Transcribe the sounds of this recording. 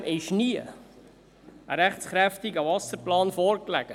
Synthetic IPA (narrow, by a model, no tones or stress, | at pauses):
ʔɛʃniə̰ | ɾæχsχɾæft̪ɪɡɑvɑsəɾplɑːnfɔːɾklæ̰ɡ̥ə